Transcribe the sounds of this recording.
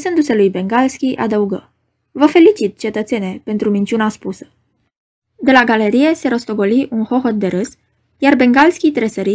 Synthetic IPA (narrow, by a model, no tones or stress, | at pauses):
sɨnd̪use̞lujbe̞ŋɡalskʲiʔad̪əuɡə̰ | vəfe̞lit͡ʃit̪̚t͡ʃe̞t̪ət̪se̞nʲepe̞nt̪ɾumint͡ʃunaspusə̥ | d̪e̞laɡale̞ɾije̞se̞ɾo̞st̪o̞ɡo̞liʔunxo̞xo̞t̪̚d̪e̞ɾɨs | jarbe̞ŋɡalskʲit̪ɾesəɾi